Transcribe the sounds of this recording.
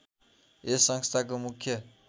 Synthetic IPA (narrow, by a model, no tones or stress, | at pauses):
esːʌŋst̪ʰakomukʰːjʌ